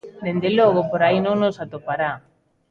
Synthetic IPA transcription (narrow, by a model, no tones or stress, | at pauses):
d̪end̪eloɣ̞opoɾainoŋnosat̪opaɾa